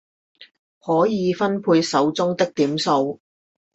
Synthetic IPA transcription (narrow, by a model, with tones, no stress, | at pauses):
hɔː˨˥jiː˨˧fɐ˥npʰuː˧jsɐ˨˥wt͡sʊ˥ŋt̪ɪ˥k̚t̪iː˨˥mso˧w